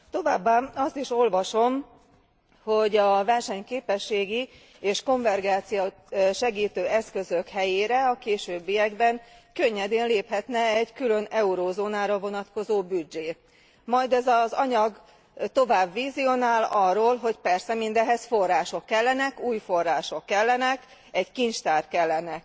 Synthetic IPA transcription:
t̪o̞va̰ːbːaːɒst̪iʃo̞lvɒʃo̞m | ho̞ɟɒvɛrʃɛɲkeːpɛʃːeːɡi | eːʃko̞ɱvɛrɡaːt̪sijo | ʃɛɡiːt̪øːɛskø̞zøkhɛjeːɾɛɒkeːʃøːbːijɛɡbɛŋkøɲːɛd̪eɛnleːphɛt̪nɛɛɟkylønɛuɾoːzoːnaːɾɒvo̞nɒt̪ko̞zoːbyd͡ʒeː | mɒjd̪ɛzɒzɒɲɒɡ | t̪o̞vaːbːiːzijonaːlɒrːoːlɦo̞cpɛrsɛmind̪ɛɦɛsfo̞rːaːʃo̞kːɛlːɛnɛkuːjfo̞rːaːʃo̞kːɛlːɛnɛk | ɛɟkint͡ʃt̪aːr̚kɛlːɛnɛk

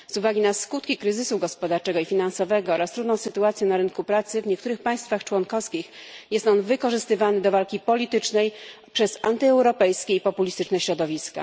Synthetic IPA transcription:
zuvaɡʲinaskut̪kʲikɾɘzɘsuɡɔspɔd̪aɾt͡ʂɛɡɔifʲinansɔvɛɡɔɔɾast̪ɾud̪nɔ̃w̃sɘt̪uat̪sʲjɛ̃naɾɘnkupɾat̪sɘvɲɛk̚t̪uɾɘxpaj̃st̪faxt͡ʂwɔnkɔfskʲixjɛst̪ɔnvɘkɔʐɘst̪ɘvanɘd̪ɔvalkʲipɔlʲit̪ɘt͡ʂnɛjpʂɛzant̪ɘɛwɾɔpɛjskʲɛipɔpulʲist̪ɘt͡ʂnɛɕɾɔd̪ɔvʲiska̰

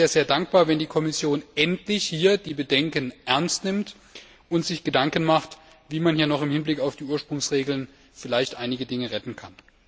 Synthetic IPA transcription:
aːɐzeːɐdaŋk̚b̥aːɐvɛndiːkʰɔmɪsjoːnʔɛntlɪçhiːɐdiːbədɛŋkənʔɛɐnstnɪmt | ʔʊntz̥ɪçɡ̥ədaŋkən̩maχt | viːmanhiːɐnɔχɪmhɪnblɪkaʊfd̥iːʔuːɐʃpʁ̥ʊŋsʁeːɡl̩n | fɪlaɪçtʔaɪnɪɡədɪŋəʁɛtn̩kʰan

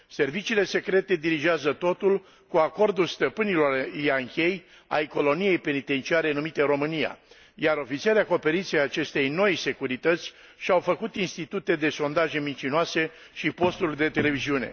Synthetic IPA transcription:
se̞rvit͡ʃiːle̞se̞kɾe̞t̪e̞d̪iɾiʒɪazət̪o̞t̪ul | kuako̞rd̪ulst̪əpɨnilo̞rijaŋkʲe̞j | a̰jko̞lo̞nije̞jpe̞nit̪e̞nt͡ʃiaɾe̞numit̪e̞ɾo̞mɨnija̰ | jaɾo̞fit̪sieɾeako̞pe̞ɾint̪siejat͡ʃe̞st̪e̞jno̞jse̞kuɾit̪ət̪sʲ | ʃiawfəkut̪inst̪it̪ut̪e̞d̪e̞so̞nd̪aʒe̞mint͡ʃinoase̞ | ʃipo̞st̪ulʲd̪e̞t̪e̞le̞viziune̞̰

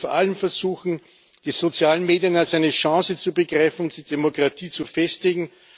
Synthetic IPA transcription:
fɔɐʔaləmfɛɐzuːxn̩ | d̥iːzot͡sjaːlənmeːdijənalsæɪnəʃɑ̃ːsət͡subəɡʁaɪfn̩ʊnt̚d̥iːdemokʁ̥atʰiːt͡sufɛstɪɡŋ̩

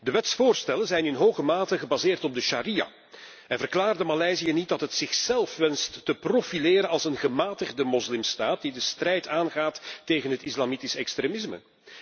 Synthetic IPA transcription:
dəʋɛtsfoːrstɛlənzɛjnɪnɦoːɣəmaːtəɣəbazɪːrtɔb̚dəʃaɾija̰ | ɛnvərklaːrdəmalɛjzijənit̚dɑtɦətsɪxsɛlˠfʋɛnstːəprofileːɾənɑlˠsənɣəmaːtəɣdəmɔzlɪmstaːt̚didəstrɛjtʰaːnɣaːtːeːjɣənɦətɪslamitisɛkstreːmɪsmə̰

